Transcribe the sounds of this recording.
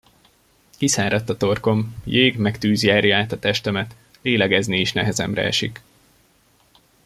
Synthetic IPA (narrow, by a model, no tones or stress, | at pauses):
kisaːɾɒt̪ːɒt̪o̞rko̞mjeːɡmɛkt̪yːzjaːrjaːt̪ɒt̪ɛʃt̪ɛmɛt̪ | leːlɛɡɛznieːʃnɛɦɛzɛ̰mrɛ̰ɛ̰ʃḭk